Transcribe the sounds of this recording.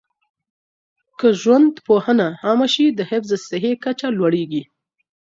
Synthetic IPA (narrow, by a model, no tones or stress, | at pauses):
kəʒwand̪pohənaɑmaʃid̪əhɪfzəsɪɦekat͡ʃalwaɽeɡi